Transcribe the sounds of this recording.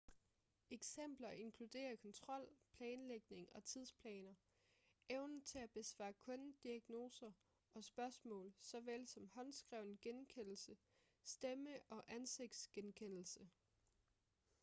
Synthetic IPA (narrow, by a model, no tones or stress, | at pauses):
eɡ̥sem̰b̥lɐʔe̝nkʰlud̥e̝̰ːɐkʰɒ̽nt͡sʰʁɒ̽l̰pʰlɛːnleɡ̥ne̝ŋɒ̽t͡sʰið̞̰ˠspʰlɛ̰ːnɐ | eʊnət͡sʰe̝æb̥e̝sʋɑ̰̈ːkʰɔ̽nd̥iæɡ̥no̝ːsɐ | ɒ̽sb̥ɶɐsmɔ̰̽ːlsɒ̽ʋelsɒ̽mhɒ̽nsɡ̥ʁɛʊ̰nɡ̥enkʰen̰l̩sə | sd̥eməʔɒ̽ʔænse̝ɡ̥̚d̥sɡ̥enkʰen̰l̩sə